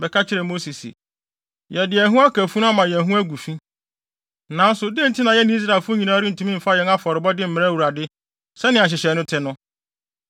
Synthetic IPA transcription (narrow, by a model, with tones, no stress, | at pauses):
bɛ˨kʰa˦t͡ɕʰɪ˦ɾɛ˨mo˦si˨sḭ˨ | jɛ˨dɪ˨ɛ˨ɦũ˦a˦kʰæ˨fu˦nʊ̃˦a˦mã˨jɛ˨ɦũ˦æ˦ɡu˨fĩ˦ | nã˨˦n̩˦sʊ˨dɪ˦n̩˨tʰɪ˦nã˨jɛ˦nɪ̃˨˦i˦s̬ɾa˨e˨lfʊ˦ɲĩ˨nãː˦ɾɪ˦n̩˨tʰũ˨˦mĩ˦m̩˨fa˦jɛ˨na˦fɔ˨ɾɪ˨bɔ˦dɪ˦m̩˦mɪ̃˨ɾa˦wu˨ɾa˨dɪ˦ | sɛ˦nɪ̃˨a˨ɕ̬ɪ˨ɕɛ˨nʊ̃˦tʰɪ˦nʊ̃˦